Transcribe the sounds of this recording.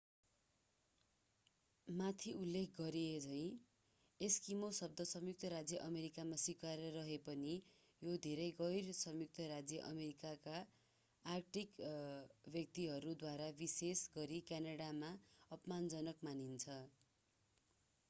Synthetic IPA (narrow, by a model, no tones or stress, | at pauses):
mat̪ʰiulːekʰɡʌɾied͡zʰʌj̃ | eskimosʌb̚d̪ʱʌsʌmjuk̚t̪ʰʌɾad͡zjʌʔʌmeɾikamaswikaɾʌɾʌɦepʌni | jod̪ʱeɾʌjɡʌjrsʌmjuk̚t̪ʰʌɾad͡zjʌʔʌmeɾikakaː | rʈik | bjʌk̚t̪iɦʌɾud̪waɾabisesɡʌɾikjanaɽamaʌpmand͡zʌnʌkmanint͡sʰʌ